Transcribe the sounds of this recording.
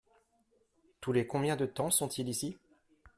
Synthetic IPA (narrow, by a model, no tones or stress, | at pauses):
t̪ulekɔ̃bjɛ̃d̪ət̪ɑ̃sɔ̃t̪ʰilisi